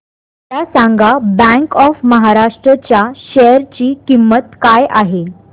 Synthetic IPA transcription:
tjasaŋɡabɛ̃ŋkɔfməɦaɾaʂʈɾət͡ɕjaɕɛəɾt͡ɕiːkimːət̪kajaɦe

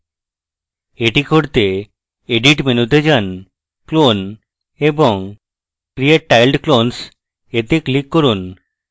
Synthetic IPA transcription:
eʈikʰoɾt̪e | eɖiʈmenut̪ed͡ʑan | klon | eboŋ | kɾieʈ̚ːajlɖklons | et̪eklikːoɾun

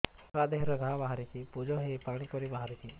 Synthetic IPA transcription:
ɾad̪eɦɾɔɡʱabaɦaɾit͡ʃipud͡ʒɔɦepaɡɽ̃ipɔɾibaɦaɾit͡ʃi

